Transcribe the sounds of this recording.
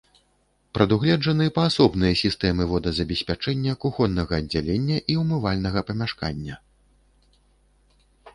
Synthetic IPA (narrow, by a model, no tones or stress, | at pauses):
pɾɐd̪uɣlʲɛʐɐnɨɛpɐːsɔbnɨjɐsʲist̪ɛmɨvɔd̪ɐzɐbʲɛsʲpʲat͡ʂɛnʲːɐkuxɔnːɐɣɐːdʲd͡zʲalʲenʲːɐʔiwmɨvalʲnɐɣɐpɐmʲaʂka̰nʲːɐ